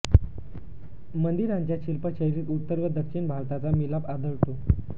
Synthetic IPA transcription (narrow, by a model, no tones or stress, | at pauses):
mənd̪iɾaɲt͡ɕjaɕilpəɕəɾiːt̪ut̪ːəɾʋəd̪əkʂinbʱaɾt̪at͡samilapad̪əɭt̪o